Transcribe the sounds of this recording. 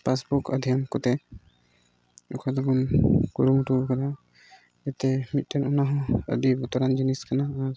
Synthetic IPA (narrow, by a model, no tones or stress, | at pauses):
pasbukad̪ʱjamkɔt̪ɛ | ɔ̰kʰad̪ɔbunkuɾumuʈukad̪a | ɛt̪ɛmit̪̚ʈʰɛnɔnaɦɔ̃ə̰d̪ibɔt̪ɔɾand͡ʒiniskanaa